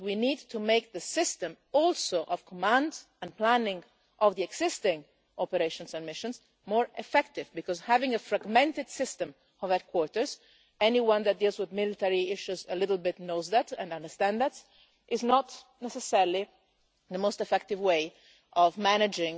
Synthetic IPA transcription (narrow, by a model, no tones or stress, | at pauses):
winid̚tʰumeɪk̚ðəsɪstə̃m | ɔlˠsoʔɔv̥kʰɔmæ̃ndz | ɛ̃nplæ̃nɪ̃ŋ | ʔɔvðiɛɡz̥ɪstɪ̃ŋ | ʔɔpəɾeɪʃɔ̃nzə̃nmɪʃə̃nz | mɔɹɛfɛktɪvbikɔzhævɪ̃ŋəfɹaɡmɛ̃ntɨd̥sɪstə̃m | ɔvɛd̪̚kʰwɔɹtə˞z | ɛniwʌ̃nðæt̚d̪iːlˠzwɪðmɪlɪt̪ɛɹiɪʃuzəlɪɾl̩ˠbɪtnoʊzðætɛ̰̃nʌ̃ndə˞st̪æ̃nðæt | ʔɪznɔtnɛsɛsɛɹl̩ˠi | ðəmoʊstɛfɛk̚tɪvweɪ | ʔɔvmænɪd͡ʒɪ̃ŋ